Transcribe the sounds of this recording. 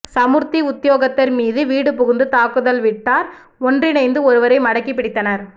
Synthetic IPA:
sɐmɯɾt̪iʊt̪ːɪjoːɣɐt̪ːɐɾmiːðɯʋiːɽɯpʊɣɯnd̪ɯt̪aːkːɯðɐlʋɪʈːaːɾ | ɔndrɪnɐɪnd̪ɯɔɾɯʋɐɾɐɪmɐɽɐkːipːɪɽɪt̪ːɐnɐɾ

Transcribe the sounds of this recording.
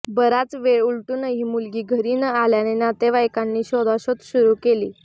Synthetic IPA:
bəɾat͡sʋeɭuɭʈuːnəɦiːmulɡiːɡʱəɾinəaljanenat̪eʋajkanːiːɕɔd̪aɕot̪ɕuɾukelḭː

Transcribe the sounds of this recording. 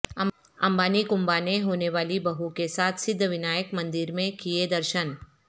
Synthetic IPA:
ɐ̰̃mbaːnikʊ̃mbaneɦoːneʋaːlibɐɦukesaːt̪ʰsɪd̪ʱːəʋɪnaːjəkmɐ̃nd̪ɪɾmẽkijed̪ɐɾʃən

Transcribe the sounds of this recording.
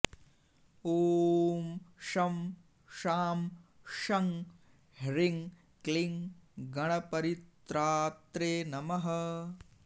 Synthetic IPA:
oːmʃɐm | ʃaːm | ʃɐŋ | hɾiŋ | kliŋɡɐɳɐpɐɾit̪ɾaːt̪ɾeːnɐmɐɦɐ

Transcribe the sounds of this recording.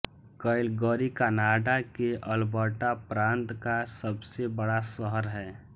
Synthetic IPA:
kəɪlɡəːɾikanaːɖakeʔəlbəʈapɾãːnt̪kasəbsebəɽasəɦəɾɦɛː

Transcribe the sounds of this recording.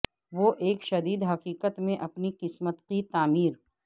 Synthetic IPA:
ʋoʔeːkʃɐd̪iːd̪ɦɐqiːqət̪mẽʔɐpniqɪsmət̪qit̪aːmiːɾ

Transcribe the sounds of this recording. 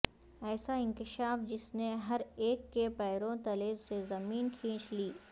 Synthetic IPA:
ɛːsaɪ̃ŋkɪʃaːfd͡ʒɪsneɦɐɾeːkːepɛːɾõt̪ɐleːzsezɐmiːnkʰĩːt͡ʃliː

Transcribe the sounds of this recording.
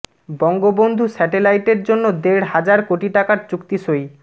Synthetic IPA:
bɔŋɡobond̪ʱusɛʈelajʈeɾd͡ʑonːod̪eɽɦad͡ʑaɾkoʈiʈakaɾt͡ɕukt̪iʃoj

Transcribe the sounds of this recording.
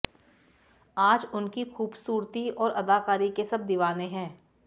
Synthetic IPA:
aːd͡ʒʊnkixuːbsuːɾt̪iɔːɾɐd̪aːkaːɾikesɐb̚d̪ɪʋaːnẽɦɛ̃ː

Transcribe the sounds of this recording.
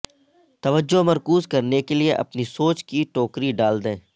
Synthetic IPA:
t̪ɐʋəd͡ʒːomɐɾkuːzkɐɾnekelieʔɐ̰pnisoːt͡ʃkiʈoːkɾiɖaːld̪ẽː

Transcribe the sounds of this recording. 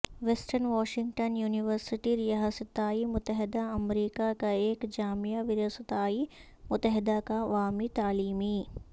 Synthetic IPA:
ʋesʈəɾnʋaːʃɪ̃ŋɡʈənjuːnɪʋəɾsɪʈiɾɪjaɦasɪt̪ːaːimʊt̪ːəɦɪd̪aɐmɾiːkakaeːkd͡ʒaːmijaʋɪɾəsɪt̪aːi | mʊt̪ːəɦɪd̪akaʋaːmit̪aːliːmi

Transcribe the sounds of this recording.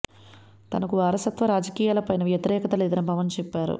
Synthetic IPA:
t̪ɐnɐkuʋaːɾɐsɐt̪ʋɐɾaːd͡ʒɐkiːjaːlɐpɐjnɐʋjɐt̪iɾɛːkɐt̪ɐlɛːd̪ɐɐpɐʋɐnt͡ʃɛpːaːɾṵ

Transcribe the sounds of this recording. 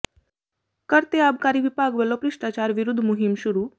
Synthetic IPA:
kəɾt̪eab̚kaɾiʋipaɡʋəlopɾɪʂʈat͡ɕaɾʋiɾud̪ʱːmuɦimʃuɾu

